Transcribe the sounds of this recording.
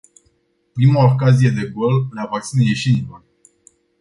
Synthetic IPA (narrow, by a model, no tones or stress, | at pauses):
pɾimaokazije̞d̪e̞ɡolnavak̚t̪sinejeʃinilor